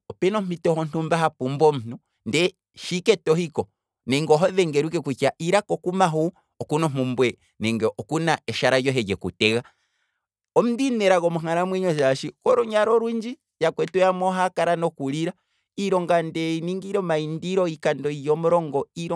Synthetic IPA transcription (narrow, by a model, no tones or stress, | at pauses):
ɔpɛnɔm̥itɔhɔn̥tumbaɦapumbɔm̩n̥u | ndɛ | ʃikɛtɔhikɔ | nɛŋɡɔɦɔðɛŋɡɛɾuk̬ɛkut͡ʃaʔiɾakɔkumaɦu | ɔkunɔmumbwɛ | nɛŋɡɛʔɔkunaɛʃaɾajɔɦɛɟɛkṵtɛɣa | ɔm̩ndinɛɾaɣɔmuŋaɾamwɛɲɔʃaʃikɔɾɔɲaɾɔɾuɲd͡ʒi | jakwɛtujamɔɦakaɾanɔkuɾiɾa | iɾɔŋɡandɛiniŋɡiɾɔmaindiɾɔikandɔijɔmɔɾɔŋɡɔiɾɔ